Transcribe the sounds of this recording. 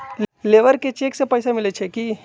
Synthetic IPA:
leʋəɾket͡ɕieksepəjsamilet͡ɕʰekiː

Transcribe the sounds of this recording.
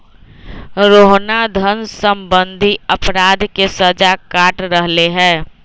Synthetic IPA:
ɾoːɦnad̪ʱənsəmbənd̪ʱiəpɾaːd̪kesəd͡ʒakaːʈɾəɦleɦɛ̃ː

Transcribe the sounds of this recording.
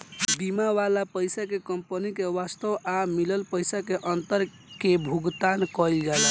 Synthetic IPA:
bimaʋalapəjsakekəmpənikeʋast̪əʋʔamiləlpəjsakeʔənt̪əɾ | kebʱuɡt̪ankɔjld͡ʒɛla

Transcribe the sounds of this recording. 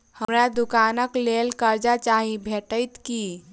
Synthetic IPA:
həmɾad̪ukanəklelkəɾd͡ʒat͡ʃaɦĩbʱeʈəjt̪ki

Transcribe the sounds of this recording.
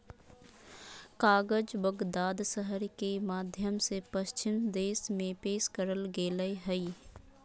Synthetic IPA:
kaːɡəd͡ʒbəɡd̪aːd̪səɦəɾkemaːd̪ʱjəmsepəʃt͡ʃɪmd̪eːsmẽpeːʃkəɾəlɡeːləjɦəi

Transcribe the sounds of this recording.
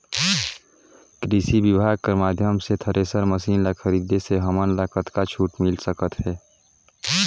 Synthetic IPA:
kɾiːsibɪbʱaːɡ̚kəɾmaːd̪ʱjəmset̪ʰəɾʔeːsəɾməsiːnləkʰəɾiːd̪eseɦəmənlaːkət̪kat͡ʃʰuːʈmɪlsəkət̪ɦɛː

